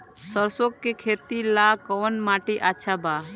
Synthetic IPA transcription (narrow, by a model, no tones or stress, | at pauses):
səɾsokːekʰet̪ilakɔnmaʈiʔaːt͡ʃʰaba